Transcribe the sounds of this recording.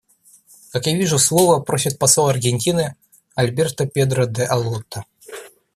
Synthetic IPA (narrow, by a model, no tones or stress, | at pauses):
kakjavʲiʐʊslˠovəpɾosʲɪt̪̚pɐsolˠɐrɡʲenʲtʲinɨ | ɐlʲbʲert̪əpʲed̪ɾəd̪ɛʔɐlˠot̪ːə